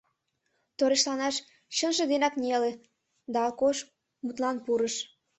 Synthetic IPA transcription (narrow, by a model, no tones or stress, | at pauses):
t̪oɾeʃlɑnɑʃ | ɕənʒĕd̪enɑknʲele | d̪ɑːlkoʃ | mut̪lɑnpuɾəʃ